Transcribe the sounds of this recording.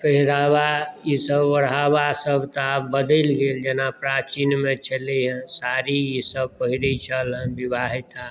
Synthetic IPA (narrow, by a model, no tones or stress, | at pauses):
pʰəɦɾawajisəbʋəɽɦaʋasəbʱt̪əapbəd̪əlɡeːld͡ʒenapɾat͡ʃinmet͡ʃʰəliɦɛ̃saɾijisəb̚pəɦiɾit͡ʃʰəlɦə̃bibaɦit̪a